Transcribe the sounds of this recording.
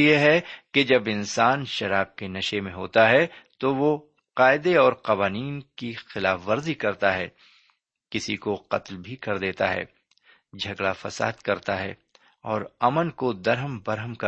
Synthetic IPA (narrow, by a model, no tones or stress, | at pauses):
jeɦɛked͡ʒɐbɪnsaːnʃɐɾaːb̚kenɐʃemẽɦo̰ːt̪aɦɛt̪oʋo | qaːɪd̪eɔːɾqɐʋaːniːnkixɪlaːfʋɐɾzikɐɾt̪aɦɛ̰ː | kɪsikoqɐ̰t̪lbʱikɐɾd̪eːt̪a̰ɦɛ̰ː | d͡ʒʱɐɡlafɐsa̰ːd̪kɐɾt̪aɦɛ̰ː | ɔːɾɐmənkod̪ɐɾɦəmbɐɾɦəmkɐ